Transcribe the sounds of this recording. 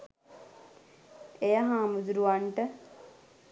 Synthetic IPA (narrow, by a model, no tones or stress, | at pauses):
ejəɦãːmud͡ʒɾuʋaɳʈə